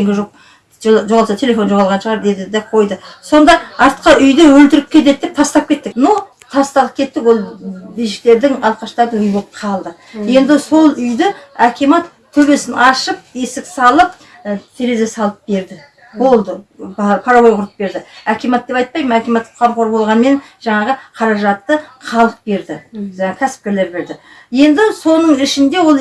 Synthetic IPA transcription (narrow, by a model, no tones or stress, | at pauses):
eŋɡʲɪʒoq̚ | ʒoʁɑlˠsɑt̪ʰe̞le̞fo̞nʒo̞ʁɑlˠʁɑnʃəʁɑɾd̪e̞d̪ɪd̪eqʰo̞jd̪əso̞nd̪ɑɑɾt̪qɑʔʏjd̪ewɵlt̪ɪɾɪp̚kʲʰe̞t̪e̞t̪̚d̪ep̚t̪ʰɑst̪ɑp̚kʲʰe̞t̪ːɪknow | t̪ʰɑst̪ɑləp̚kʲʰe̞t̪ːɪkwo̞lˠbijʃɪk̚t̪e̞ɾd̪ɪŋɑlˠqɑʃt̪ɑɾd̪əŋʏjboqʰɑlˠd̪ə | je̞nd̪ɪso̞lˠʏjd̪ɪækʰʲimɑt̪ | k̪ʲʰɵbe̞sɪnʔɑʃəp̚e̞sɪksɑlˠəp̚ | t̪ʰe̞ɾe̞ze̞sɑlˠəp̚be̞ɾd̪ɪ | bo̞lˠd̪əpʰɑɾɑβo̞jʁʊɾəp̚be̞ɾd̪ɪækʲʰemɑt̪̚d̪e̞pɑjt̪̚pɑjməmækʲemɑt̪ːqʰɑmqʰoɾbo̞lˠʁɑnme̞nʒ̥ɑɴɑʁəqʰɑɾɑʒɑt̪ːəqʰɑlˠəq̚be̞ɾd̪ɪʒɑɴɑkʲʰæsɪ̥p̚kʲele̞ɾbe̞ɾd̪ɪ | je̞nd̪ɪso̞nəɴɪʃɪnd̪e̞wo̞lˠ